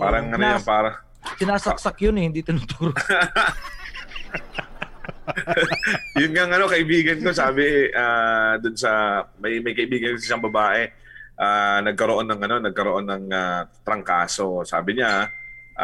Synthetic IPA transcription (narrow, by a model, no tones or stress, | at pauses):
paːɾɐŋːɐnojanpaːɾɐ | ɪnaːsɐk̚sɐkjʊnɛhɪnd̪it̪ɪnʊt̪uːɾo | jʊnŋaŋɐno̞kɐʔɪbiːɡɐnko̞saːbɪʔaːd̪ʊnsɐmɐjmɐjkɐʔɪbiːɡɐnksɪsɐŋbɐbaːʔɛ | ʔaːnɐɡ̚kɐɾoʔo̞nːɐŋʔɐno̞nɐɡ̚kɐɾoʔo̞nːɐŋat̪ɾɐŋkaːso̞sa̰ːbɪɲaʔ